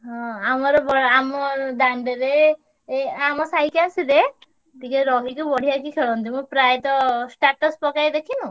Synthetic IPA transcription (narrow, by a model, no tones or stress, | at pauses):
ɦɔ̃amɔɾɔbɔamɔd̪aɳɖeɾe | amɔsajkeasile | t̪ikeɾɔɦikubɔɽ̤ijakikʰeɭɔnt̪imũpɾajt̪ɔsʈaʈɔspɔkajd̪ekʰinu